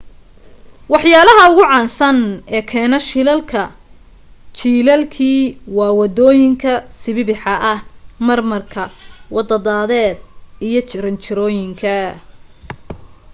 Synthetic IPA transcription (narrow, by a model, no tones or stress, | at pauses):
wɑħjaːlɐɦɐʊɣʊʕɑːnsɐnɛːkʰɛːnɐʃɪlɐlkʰɐ | t͡ʃiːlɐlkʰiːwɑːwɑd̪ɔːjɪŋkʰɐsɪβɪbɪħɑʔɐhmɐrmɐrkʰɐwɑd̪ɐd̪aːðɛːd̪̚ijɞt͡ʃʰɪɾɐnt͡ʃʰɪɾɔːjɪŋkʰɐ